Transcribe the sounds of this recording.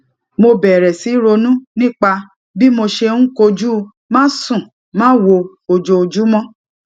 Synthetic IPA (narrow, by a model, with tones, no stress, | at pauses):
mo˧bɛ˨ɾɛ˨si˨˦ɾo˧nũ˦nĩ˦k͡pa˧ | bi˦mo˧ʃe˧ũ˦ko˧d͡ʒu˦ | mãː˦sũ˦˨ | mãː˦wo˧ | o˧d͡ʒo˧o˧d͡ʒu˦mɔ̃˦